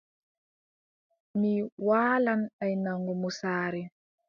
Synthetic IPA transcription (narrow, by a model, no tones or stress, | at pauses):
miwaːlanajnaŋɡumusaːɾi